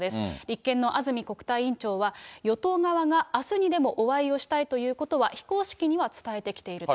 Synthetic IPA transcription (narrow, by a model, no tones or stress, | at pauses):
d̪e̞sɨ̥ɾʲikːẽ̞nːo̞ʔazɨmʲiko̞kɯ̟̥t̪aiĩɲt͡ɕo̞ːβajo̞t̪o̞ːɡaβaɡaːsɨɲ̟id̪e̞mo̞ʔoβaio̞ɕi̥t̪ait̪o̞jɯ̟ːko̞t̪o̞βaçi̥ko̞ːɕi̥kʲiɲ̟iβat͡sɨ̥t̪ae̞t̪e̞kʲi̥t̪e̞iɾɯ